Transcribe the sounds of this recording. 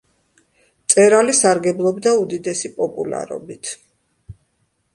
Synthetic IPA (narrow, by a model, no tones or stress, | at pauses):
t̪sʼɛɾalisaɾɡɛblˠɔbd̪aud̪id̪ɛsipʼɔpʼṵla̰ɾɔ̰bit̪ʰ